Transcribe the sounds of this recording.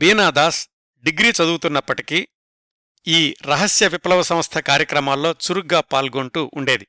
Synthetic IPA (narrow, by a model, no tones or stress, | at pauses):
biːnaːd̪aːs | ɖiɡɾiːt͡ʃɐd̪uːut̪unːɐpːɐʈiki | iːɾɐɦɐsjɐʋiplɐʋɐsɐmɐst̪ʰɐkaːɾjɐkɾɐmaːlːo̞ːt͡ʃuɾuɡaːpaːlɡoɳʈuʔuɳɖe̞ːd̪i